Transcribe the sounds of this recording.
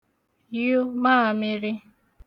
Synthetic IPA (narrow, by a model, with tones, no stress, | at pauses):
ju˦maː˦˨mɪ˦ɾi˦